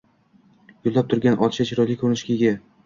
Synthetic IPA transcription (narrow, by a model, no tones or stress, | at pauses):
jolˠːap̚t̪ʰʊɾɡʲanʔɒt̪ʰɪ̥ʃat͡ʃʰɪɾɒlikʰɵɾɪnɪʃkʲʰɪɡʲa